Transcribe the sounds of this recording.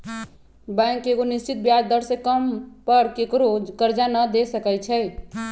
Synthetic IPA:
bɛ̃ŋkeɡonist͡ʃit̪̚bjad̪d̪əɽsẽkəmpəɾkekɾokəɾd͡ʒanəd̪esəkɛjt͡ʃʰɛj

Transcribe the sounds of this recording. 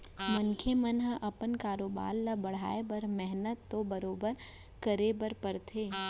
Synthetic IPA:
mɐnkʰemənɦəʔɐpənkaːɾoːba̰ːlːabɐɽ̤a̰ːebɐɾmɛɦnət̪ːobɐɾoːbəɾ | kəɾebəɾpɐɾt̪ʰeː

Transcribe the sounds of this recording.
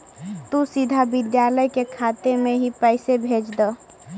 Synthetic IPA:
t̪usid̪ʱabid̪jaləjkekʰat̪emeɦipɛɪsebʱed͡ʒd̪ɔ

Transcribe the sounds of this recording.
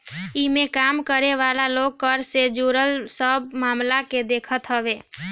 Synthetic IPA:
ɪmẽkaːmkəɾeʋaːlaloːɡ̚kəɾsed͡ʒuɾəlsəbmaːmlaked̪eːkʰət̪ɦəʋeː

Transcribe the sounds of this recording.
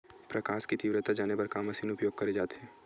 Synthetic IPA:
pɾɐkaːʃkit̪iʋɾət̪ad͡ʒaːnebɐɾkaːmɐsiːnʊpjoːɡ̚kɐɾed͡ʒaːt̪ɦɛː

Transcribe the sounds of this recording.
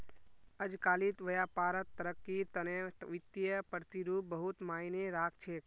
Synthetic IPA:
əd͡ʒkaːlit̪ʋəjaːpaːɾət̪ːəɾəkːit̪ənẽʋɪt̪ːijəpɾət̪iɾuːp̚bəɦut̪maːineɾaːkʰt͡ʃʰeːk

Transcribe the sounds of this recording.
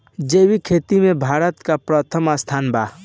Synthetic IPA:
d͡ʒewikʰet̪imẽbʱaɾət̪kapɾət̪ʰəmast̪ʰaːnba

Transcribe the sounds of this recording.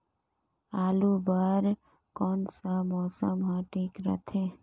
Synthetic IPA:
aːlubəɾ | kɔːnsamɔːsəmɦãʈʰiːkɾə̰t̪ʰẽ

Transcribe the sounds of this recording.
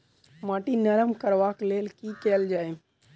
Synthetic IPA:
maːʈinəɾəmkəɾʋakleːlkikɛːld͡ʒaːe

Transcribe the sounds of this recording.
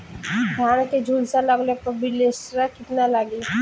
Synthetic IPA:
d̪ʱjaːnked͡ʒʱuːlsaləɡlepəbilesɾakɪt̪nalaɡi

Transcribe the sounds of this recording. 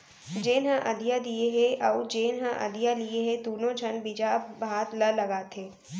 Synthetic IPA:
d͡ʒeːnɦə̃ʔɐd̪ijad̪ieɦeʔɐud͡ʒeːnɦə̃ʔɐ̰d̪ijalieɦed̪uːnõd͡ʒʰʱɐnbid͡ʒaːbʱaːt̪ləlɐɡaːt̪ʰeː

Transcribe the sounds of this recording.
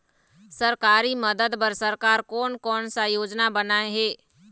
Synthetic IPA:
səɾkaːɾiməd̪əd̪pəɾsəɾkaːɾkɔːnkɔːnsajoːd͡ʒnabənaːeɦeː

